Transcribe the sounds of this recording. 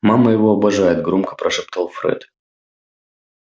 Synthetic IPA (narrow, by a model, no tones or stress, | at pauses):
maməjɪvoɐbɐʐajɪt̪̚ɡɾomkə̥pɾʔɐʂɛp̚t̪əlˠfɾɛ̰t̪